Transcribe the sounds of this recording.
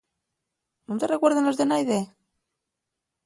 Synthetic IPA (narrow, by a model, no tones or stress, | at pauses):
nunt̪erekweɾðenozðenajðe